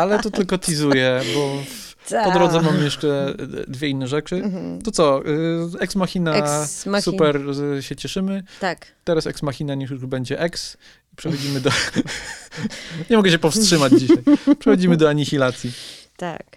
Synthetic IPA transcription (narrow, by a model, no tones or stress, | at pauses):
alɛt̪ɔt̪ɘlkɔt̪ʲizujɛbɔ | pɔd̪ɾɔd̪zɛmamjɛʂt͡ʂɛd̪vʲjɛinːɛʐɛt͡ʂɘt̪ɔt̪sɔ | ɛksmaxʲinasupɛɾɕɛt͡ɕɛʂɘmɘt̪akt̪ɛɾasɛ̰ksmaxʲinaɲijuʐbɛɲd͡ʑɛʔɛks | ipʂɛxɔd͡ʑimɘd̪ɔ | ɲɛmɔɡɛɕ̬ɛpɔfstʂɘmad͡ʑd͡ʑiɕajpʂɛxɔd͡ʑimɘd̪ɔaɲixʲilat̪sʲjit̪a̰k